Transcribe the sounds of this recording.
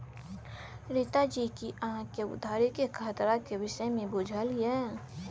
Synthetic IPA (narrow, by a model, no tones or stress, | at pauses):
ɾɪt̪ad͡ʒikiaɦãkeʊ̰d̪ʱaːɾikekʰaːt̪ɾakeʋɪʃəjmẽbʊd͡ʒʱəljɛ